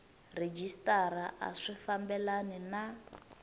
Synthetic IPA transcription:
red͡ʒistʼaɾaʔa̰ʂifambɛlanɛna

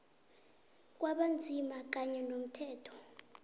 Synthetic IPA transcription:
k̬waɓand͡zʱimak̬aɲɛnom̩tʰɛːtʰɔ̥

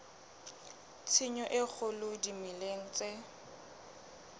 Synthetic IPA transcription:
t͡sʰɪɲɔʔɪk͡xʰʊlʊdimileŋ̩t͡sʼe

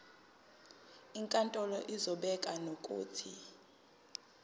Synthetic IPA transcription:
iŋkʼantʼɔlɔʔizɔɓɛkʼanokʼṵːtʰi

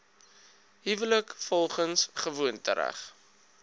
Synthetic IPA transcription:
ɦivələkfɔlˠχənsχəvuəntə̰ɾæ̰χ

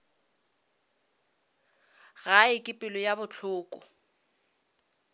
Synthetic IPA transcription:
ɣaɪkʼɪpʼɪlɔjabʊt͡ɬʰʊːkʼʊ

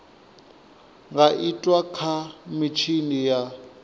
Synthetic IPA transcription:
ŋɡaʔitʼwakʰamit͡ʃʰinija

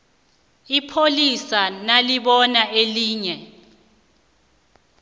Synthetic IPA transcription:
ipʰolisanaliɓɔnaeliːɲɛ

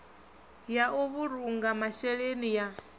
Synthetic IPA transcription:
jaʔuβuɾuŋɡamaʃɛɺenija

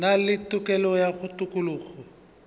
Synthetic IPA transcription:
nalɪtʼʊkʼɛlɔjaɣʊtʼʊkʼʊluːɣɔ

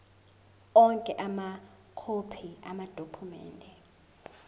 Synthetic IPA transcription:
ɔŋkʼɛʔama | kʰopʰiamad̥ʱokʰumɛ̰ːndʱɛ

